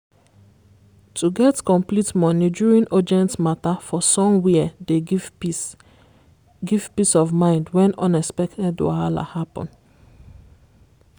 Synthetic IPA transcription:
tʰuɡɛtkɔ̃mplitmɔnid͡ʒuɹĩnʔɔd͡ʒɛ̃ntmatafɔsɔ̃mwidev | ɡiv̥pisɔvmãɪ̃ndwɛ̃nɔ̃nɛspɛktɛda̰ala̰hapɔ̰̃n

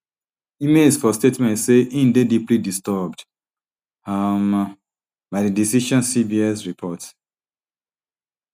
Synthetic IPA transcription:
imesfɔstetmɛ̃ntseʔĩn̩dediplidistɔbd | am | baɪdidisiʃɔ̃nsibiɛsɹipʰɔt

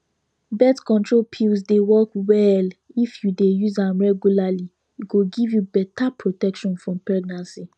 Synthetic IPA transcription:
bɛtkɔ̃ntɹolpʰilzdewɔkwɛlifjudejuzãmɹɛɡjulali | iɡoɡivjubɛtapʰɹotɛkʃɔ̃nfɹɔ̃mpɛɡ̚nãnsi

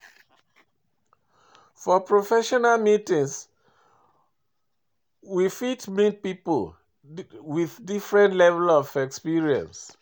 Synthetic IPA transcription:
fɔpɹofɛʃɔnalmitĩŋs | wifitmit̚pipol | wiðdifɹɛ̃ntlɛvɛlɔfɛkspiɹiɛ̰̃ns

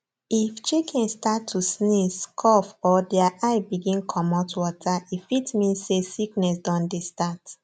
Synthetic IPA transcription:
ift͡ʃikʰĩnstatʰːusniskʰɔfɔdiaʔaɪbiɡĩnkʰɔmɔtwɔtʰaifitmĩsesiknɛs̬dɔ̃ndestat

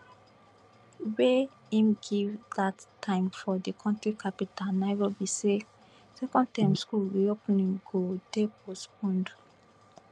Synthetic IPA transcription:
we | ĩmɡivdatʰːãɪ̃mfɔdikʰɔ̃ntɹikʰapitalnaɪɹobise | sɛkɔ̃nd̚tãɪ̃mskulwiopnĩŋɡodepospɔ̃nd

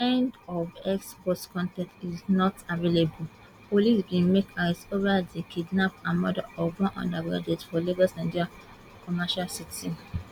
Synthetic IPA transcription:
ɛ̃ndɔvɛkspɔstkɔ̃ntɛ̃ntiznɔtavelebu | polisbĩnmekʰaisovadekʰidnapãnmɔda̰ɔvɔ̃nʔɔ̰̃ndaɡɹa̰d͡ʒɛtfɔliɡɔsnãndd͡ʒiɹa | kɔmaʃalsitɛ̃m

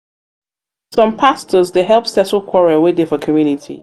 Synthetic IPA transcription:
sʌ̃mpʰastʰəzdeɦɛlˠpsɛtəlˠkʰw̥ɔɹiəwɪdɪfəkʰəmjʉnɪtʰḭ

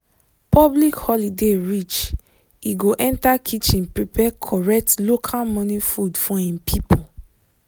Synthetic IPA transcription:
pɔblikhɔlideɹit͡ʃ | iɡoʔɛ̃ntakʰit͡ʃĩnpepʰɛkʰɔɹɛk̚tlokʰalmɔ̃nifudfɔĩmpʰipʰo

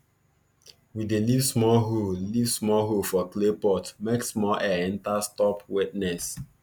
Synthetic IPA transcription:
widelivsmɔlɦulivsmɔɦufɔklepɔtmeksmɔlʔɛɛ̃ntastɔpwitnɛs

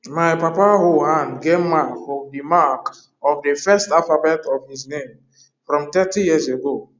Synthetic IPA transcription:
maɪpapaɦoɦãnɡevmakfɔ̃mdimak | ɔvdefɛstafabɛtɔvhiznẽm | fɾɔ̃mtɛtijizeɡo

